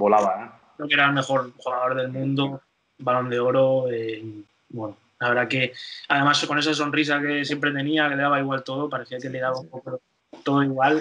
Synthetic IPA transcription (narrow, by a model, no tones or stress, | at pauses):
bolaβae | ɾokeɾaelme̞xoɾxuɣaðo̞ɾðe̞lmũnd̪o | balo̞nd̪e̞o̞ɾoe | bweno | laβe̞ɾðake̞aðe̞maskone̞saso̞nrisake̞sjempɾe̞t̪e̞niake̞le̞ðaβaiɣwalt̪o̞ðopaɾeθiake̞le̞ðaβaumpo̞koo | t̪o̞ðoiɣwal